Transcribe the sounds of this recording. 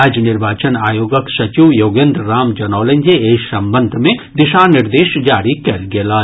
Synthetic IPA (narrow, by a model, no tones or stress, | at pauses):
ad͡ʒnɪɾʋaːt͡ʃənaːjoːɡəksɐt͡ʃiwjoːɡẽnd̪ɾːaːmd͡ʒɐnɔːlẽɲʲd͡ʒeeːsɐmbə̃nd̪ʱmẽd̪ɪʃaːnɪɾd̪eːʃd͡ʒaːɾikɐɾɡelaː